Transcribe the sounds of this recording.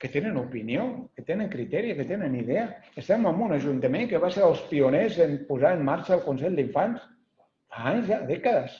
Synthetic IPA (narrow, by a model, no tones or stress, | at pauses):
kət̪enənupiniokət̪enəŋkɾit̪ɛɾiəkət̪enəniðeəəst̪ɛməmbunəʒunt̪əmeŋkəβaseɾəlˠspiunezəmpuzaəmːaɾt͡ʃəːlˠkunsɛʎd̪iɱfans | aaɲzaðɛkəðəs